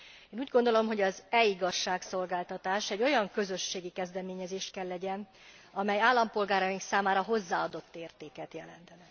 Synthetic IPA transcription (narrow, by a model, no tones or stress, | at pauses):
eːnuːɟɡond̪o̞lo̞mɦo̞ɟɒzɛiɡɒʃːaːkso̞lɡaːlt̪ɒt̪aːʃɛɟːo̞jɒŋkø̞zø̞ʃːeːɡikɛzd̪ɛmeːɲɛzeːʃkɛlːɛɟɛn | ɒmɛjaːlːɒmpo̞lɡaːɾɒjiŋksaːmaːɾɒɦo̞zːaːɒd̪o̞t̪ːeːrt̪eːkɛt̪jɛlɛ̰nt̪ɛnɛ